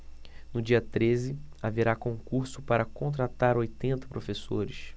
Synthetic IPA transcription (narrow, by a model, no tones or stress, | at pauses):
nʊd͡ʒiɐt̪ɾezɪaveɾakõŋkuɾsʊpaɾɐkõnt̪̬ɾat̪aɾojt̪ẽnt̪ɐ̥pɾofesoɾɪs